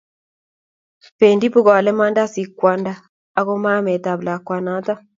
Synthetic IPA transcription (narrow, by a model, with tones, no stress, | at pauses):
pe˨ndi˦pu˦˨ɣɔ˨a˨lɛ˦ma˦nda˦si˨kwa˨˦ndaː˦ | ɣo˦ma˦mɛ˨ta˨βla˨kwa˨na˨˦ta˦